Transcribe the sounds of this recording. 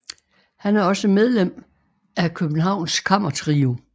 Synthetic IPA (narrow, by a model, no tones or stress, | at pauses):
hænæɐɒ̽səmeð̞ˠlem̰ | ækʰøb̥n̩ɦɑ̈ʊ̰nskʰɑm̰ɐt͡sʰʁiu